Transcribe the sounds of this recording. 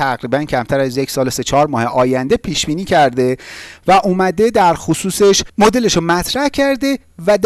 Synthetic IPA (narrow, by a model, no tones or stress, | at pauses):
æɣɾiːbæncʰæmt̪ʰæɾæzjecʰsɒːlese̞t͡ʃʰɒːɾmɒːheʔɒːjænd̪e̞pʰiːʃb̥iːniːcʰæɾd̪e̞væʔuːmæd̪e̞d̪æɾxosuːseʃmo̞d̪e̞leʃomæt̪ʰɾæhcʰæɾd̪e̞ | væd̪